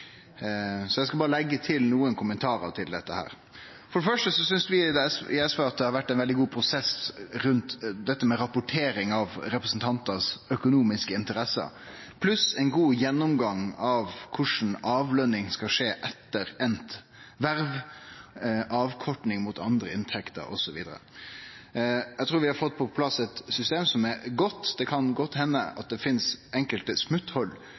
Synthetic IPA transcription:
sɔjɛɡskɑbɑːɾəlɛɡːət̪ʰɪlnuːənkʰʊmənt̪ʰɑːɾɑ̰ʋt̪ʰɪld̪ɛt̪ːəhæ̰ːɾ | fɔɖəfœʂʈəsɔsʏnsʋɪd̪sɪɛsʋeɑt̪̚d̪ɛhɑɾʋæʈːɛnʋɛld̪ɪɡuːpʰɾʊsɛsɾʉnt̪d̪ɛt̪ːəmɛɾɑpʊʈʰeːɾɪŋɑʋɾɛpɾəsn̩t̪ʰɑnt̪əsœkʊnuːmɪskəɪnt̪əɾɛsə̰ | pʰlʉsɛnɡuːjɛnːʊmɡɑŋɑʋkʰʊʂn̩ɑːʋlœnɪŋskɑʂeːʔɛt̪ːəɾɛnt̪ | ʋæɾʋ | ʔɑːʋkʰɔʈɳɪŋmʊt̪ɑnd̪ɾəɪnt̪ʰɛkt̪ə̰ɾʔɔ̰sɔʋḭːd̪əɾə̰ | jæɪt̪ʰɾuːɾʋɪhɑɾfɔt̪̚ːpʰɔpʰlɑsɛt̪sʏst̪eːmsɔmɛɾɡɔt̪ːd̪̥ɛkʰɑnɡɔt̪ːhɛnːə̰ɑ̰t̪̚d̪ɛfɪnsʔɛŋkəlt̪əsmʉt̪hɔlː

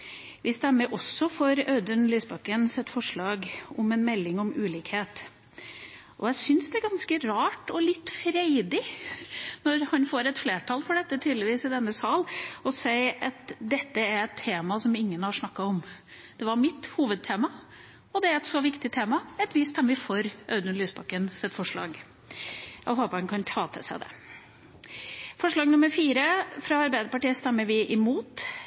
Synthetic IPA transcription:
ʋɪst̪ɛmːəɾʔɔsːɔfɔɾœːd̪ənlyːsbɑkənsɛt̪ːfɔʂɭɑːɡɔmɛnmɛlːɪŋɔmʉːliːkheːt̪ | ʔɔ̰jæɪsʏnsd̪ɛæɾɡɑnskəɾɑːʈɔlɪt̪ːfɾæɪd̪ɪ | nɔɾhɑnfoːɾɛt̪fleːʈʰɑːlfɔɖɛt̪ːət̪ʰyːd̪lɪʋiːsɪd̪ɛnːəsɑːlɔsæɪɑt̪d̪ɛt̪ːəæɾɛt̪ʰːeːmɑsɔmɪŋːənhɑʂɳɑkːɑɔm | d̪̥ɛʋɑɾmɪt̪ːhuːʋəd̪̚t̪ʰeːmɑ | ɔd̪ɛæɾɛt̪sɔʋɪkt̪ɪt̪ʰeːmɑɛt̪ʋɪst̪ɛmːəfɔɾʔœʉd̪ənlyːsbɑkːənsɛt̪ːfɔʂɭɑ̰ːɡ | jæ̰ɪɦoːpəɾhɑnkʰɑnt̪ʰɑːt̪ʰɛ̰sd̪ɛ̰ | fɔʂɭɑːɡnʊməɾfiːɾəfɾɑɑɾbæɪd̪əɾpɑʈiːəst̪ɛmːəɾʋɪʔɪmuːt̪

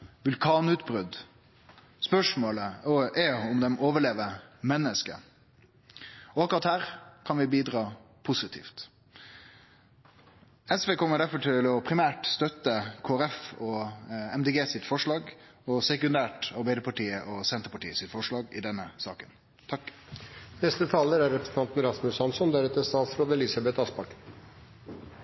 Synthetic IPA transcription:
ʋʉlkʰɑːnʉːt̪bɾʉd̪ | spœʂmoːləɔɛʊmd̪ɛmoːʋəɭeːʋəmɛnːəskə̰ | ɔɑkːʊɾɑt̪hæːɾkʰɑnʋɪbiːd̪ʁɑː | pʰʊsɪt̪ʰḭːft̪ | ɛsʋeːkʰɔmːəɖæɾfɔʈʰɪlɔpʰɾɪmæːʈst̪œt̪ːəkʰoːæɾɛfɔɛmd̪eːɡeːsɪt̪fɔʂɭɑːɡ | ɔsɛkʉnd̪æːʈɑɾbæɪd̪əpʰɑʈiːəʔɔsɛnt̪əɾpɑʈiːəsɪt̪fɔʂɭɑːɡɪd̪ɛnːəsɑ̰ːkən | t̪ʰɑk | nɛst̪ət̪ʰɑːləɾæɾɾɛpɾəsn̩t̪ɑnt̪n̩ɾɑsmʉsɑnsɔnd̪æɾɛt̪əst̪ɑːt̪sɾoːd̪ɛlisɑbɛt̪ɑspɑk̪

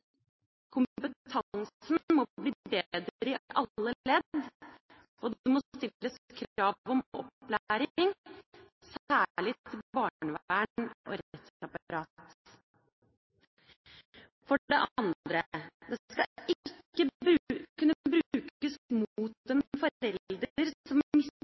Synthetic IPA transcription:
kʰʊmpət̪ʰɑŋsnmɔbliːbeːd̪ɾɾɪʔɑlːəlɛd̪ | ɔd̪mɔst̪ɪlːəskʰɾɑːʋɔmʔɔ̰plæɾɪŋ | sæːɭɪt̪ʰːɪbɑːɳəʋæːəɳɔ̰ɾt̪ɑpɑɾɑːt̪ | fɔɖɛʔɑnd̪ɾəd̪ɛskɑʔɪkːəʉkʉnːəəbɾʉʉːkəsmuːt̪ɛnfɔɛld̪əɾsɔmɪs

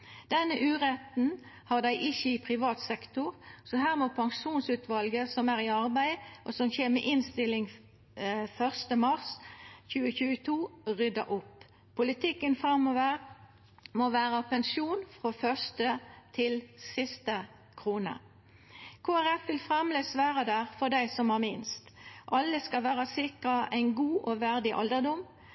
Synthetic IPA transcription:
d̪̥ɛnːəʔʉːʁɛt̪n̩ | hɑʁd̪æɪʔɪçəipʰʁɪʋɑːt̪sɛkt̪ʊʁsɔɦæːʁmopʰɑŋʂuːnsʉːt̪ʰʋɑlɡəsɔmæːʁiɑʁbæɪʔɔsɔmçeːʁmḛʔɪnst̪ɪlɪŋ | fœʁst̪əmɑʁsçʉːəçʉːət̪ʰuːʁʏd̪ɑ̰ʔʊpʰː | ʊlɪt̪ʰɪkːənfʁɑmːoːʋəʁ | moʋæːʁəpɛnsuːnfʁoːfœʁst̪ət̪ʰɪlsɪst̪ə | kʰʁuːnə̰ | kʰoːæʁɛfʋɪlfʁɛmleːsʋæːʁəd̪æːʁfɔʁd̪æɪsɔmhɑʁmɪnst̪ʔɑlːəskɑlʋæːʁəsɪkʁɑʔæɪnɡuːʔoʋæʁd̪ɪʔɑ̰ld̪əʁd̪ɔm

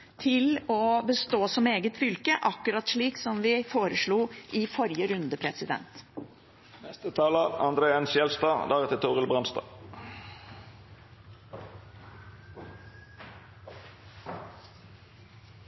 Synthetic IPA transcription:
t̪ʰɪlɔbəst̪oːsɔmeːɡət̪fʏlkəʔɑkːʉɾɑt̪ʂɭiːksɔmʋɪfoːɾəʂɭuːʔɪfɔɾɪjəɾʉnd̪əpʰɾɛsɪd̪ɛ̰nt̪ | nɛst̪ət̪ʰɑːlɑʋɑ̰nd̪ɾeːɛnsjɛlst̪ɑːd̪æʁɛt̪ət̪ʰuːʁəlbʁɑnst̪ɑ̰ː

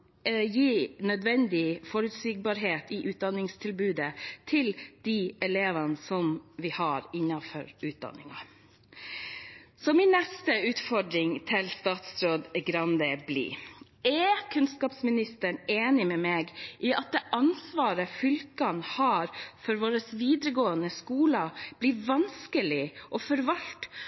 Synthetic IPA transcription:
jiːnœd̪ʋɛnd̪ɪfɔɾʉt̪siːɡ̚bɑɾɦeːt̪iʔʉːt̪̚d̪ɑnːɪŋst̪ʰɪlbʉːd̪ət̪ʰɪld̪̥iʔɛleːʋənəsɔmʋɪhɑːɾɪnːɑfɔ̰ɾʉːt̪̚d̪ɑ̰nːɪŋɑ | sɔmɪnnɛst̪əʉːt̪fɔɖɾɪŋt̪ʰɪlst̪ɑːt̪sɾoːd̪ɡɾɑnd̪əblḭː | ɛkʰʉnskɑːpsmɪnɪst̪əɳeːnɪmɛmeːɡʔiʔɑt̪̚d̪ɛʔɑnsʋɑːɾəfʏlkɑnhɑːɾfɔɾʋoːɾəsʋiːd̪ɾəɡoːənəskuːlɑb̥lɪtʋɑnskəlɪʔɔfɔɾʋɑlt̪

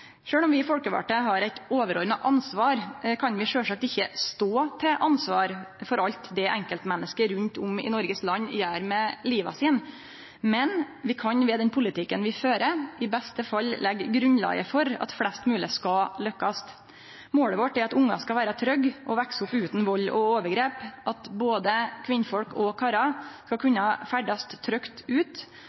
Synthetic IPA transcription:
ʂøːɽɔmʋɪɪfɔlkəʋɑ̰ːʈəɦɑɾæɪt̪oːʋəɾɔɾməʔɑnsʋɑːɾkʰɑnʋɪʂøːsɑk̚t̪ɪçːəst̪oːt̪ʰɛʔɑnsʋɑːɾfɔɾʔɑʎt̪d̪ɛʔɛŋkəlt̪mɛnːəskəɾʉnt̪ʰʊmɪ̰nɔɾɡəslɑnːjæːɾmɛliːʋɑ̰siːn | mɛn | ʋɪkʰɑnʋɛd̪ɛnpʰʊlɪt̪ʰɪkːənʋɪføːɾəɪbɛst̪əfɑlːlʔɛɡːɾʉnlɑ̰ːɡə̰fɔɾɑ̰t̪flɛst̪mʉːləskɑlœkːɑst̪ | moːɽəʋɔʈːɛɾɑt̪ʊŋːɑ̰skɑʋæːɾɑt̪ʰɾœɡʔɔʋæksʊpʉːt̪n̩ʋɔlːɔoːʋəɾɡɾeːpʔɑt̪boːd̪əkʰʋɪnːfɔlkɔkʰɑːɾɑskɑkʰʉnːɑfæɖɑst̪ʰːɾœkt̪ʉːt̪

